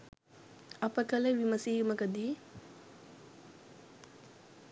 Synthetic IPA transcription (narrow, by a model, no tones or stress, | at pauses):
ɐpəkəleʋiməsiːuməkəd̪iː